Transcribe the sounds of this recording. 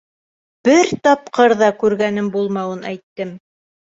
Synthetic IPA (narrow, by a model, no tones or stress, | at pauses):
b̥ɘɾt̪ɑp̚qɤɾðɑkʉɾɡænɘmbulˠmɑwɤnæjt̪ːɘm